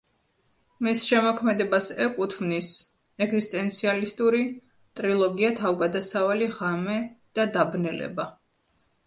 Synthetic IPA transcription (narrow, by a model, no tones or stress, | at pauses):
misʃɛmɔkʰmɛd̪ɛbasɛkʼut̪ʰvnis | ɛɡzist̪ʼɛnt̪sʰialist̪ʼuɾi | t̪ʼɾilˠɔɡiat̪ʰavɡad̪asavaliʁamɛd̪̥ad̪abnɛlɛ̰ba